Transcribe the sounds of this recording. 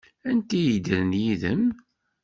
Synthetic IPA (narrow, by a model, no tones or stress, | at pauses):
ænt̪ijid̪əɾənjiðəm